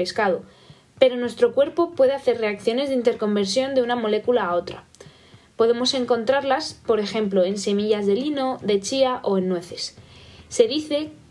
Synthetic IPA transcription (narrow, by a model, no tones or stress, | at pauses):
eskaðo | pe̞ɾo̞nwe̞st̪ɾo̞kwe̞ɾpo̞pwe̞ðe̞aθe̞ɾre̞akθjo̞ne̞zðeint̪e̞ɾko̞mbe̞ɾsjo̞nd̪e̞unamo̞le̞kulaːo̞t̪ɾa | po̞ðe̞mo̞se̞ŋko̞nt̪ɾaɾlaspo̞ɾe̞xe̞mplo̞e̞nse̞miʝazðe̞lino̞ðe̞t͡ʃiaʔo̞e̞nːwe̞θe̞sː | e̞ðiθe̞